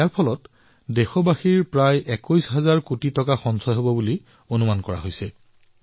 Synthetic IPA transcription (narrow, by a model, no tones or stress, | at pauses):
aɹpʰɔlɔt | dexɔbaxiɹpɹajʔɛkɔjsɦazaɹkutitɔkaxɔnsɔjɦobɔbuli | onumankɔɹa̰ɦojsɛ